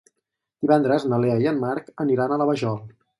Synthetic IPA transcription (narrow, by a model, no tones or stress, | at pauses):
d̪̥iβɛnd̪ɾəznəleəiəmmaɾkəniɾanələβəʒɔlˠ